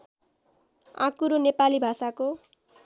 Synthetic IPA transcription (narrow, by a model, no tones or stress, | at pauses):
ã̰kuɾonepalibʱasako